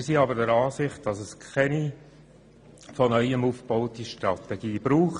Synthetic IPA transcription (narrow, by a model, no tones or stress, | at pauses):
siɑbəɾdəɾɑːsɪχt̚d̥ɑsəskʰɛni | fɔnœʏəmufb̥ɔʊtiʃtɾɑtɛɡ̥iːb̥ɾuːχt